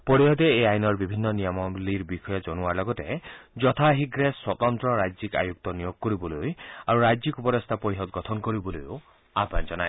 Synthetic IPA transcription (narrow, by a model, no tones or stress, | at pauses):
pɔɾiɦɔd̪eːajnɔɾbibʱinːɔnijɔmɔbliɾbixʰɔjɔd͡ʒɔnuaɾlɔɡɔted͡ʒɔt̪ʰaɦiɡɾeswɔt̪ɔnt̪ɾɔɾajd͡ʒika̰juk̚t̪ɔnijoɡɔkɔɾibɔlujaɾuɾajd͡ʒikupɔɾɔst̪ʰapɔjɦɔt̪ɡɔt̪ʰɔnkɔɾibɔlujo | apand͡ʒɔnaj